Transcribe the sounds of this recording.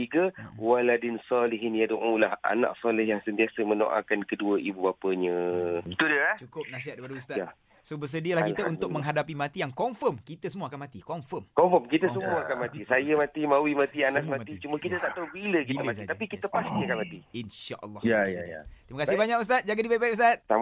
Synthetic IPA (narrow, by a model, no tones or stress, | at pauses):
iɡəwaladɪnsɔlɪɦɪnjadoʔulaha̰nã̰k̚sɔlɪhjaŋsənt̪iasəməno̰ʔa̰kankəduəibubapəɲə̃bət̪udiəat͡ʃukʊp̚nasiɦat̪̚deipadəust̪ata | sobəs̬ədiəlahkit̪əunt̪ʊk̚məŋɦadapimãt̪ijaŋkɔɱfəmkit̪əsəmuakanmat̪ikɔɱfəmkɔmfɔmkit̪əsəmuaakanmat̪isajəmãt̪imãwimãt̪ianakmãt̪it͡ʃuməkit̪ət̪aʔt̪aubilək̬it̪əat̪apikit̪əpast̪iakanmat̪iinʃa̰ʔə̰lːɑjajaja̰t̪ɾimakasɪhbaɲakus̬t̪at̪̚d͡ʒaɡadibabajus̬t̪at̪̚sa